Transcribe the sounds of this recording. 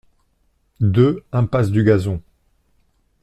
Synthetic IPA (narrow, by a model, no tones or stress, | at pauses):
d̪øɛ̃pasd̪yɡazɔ̃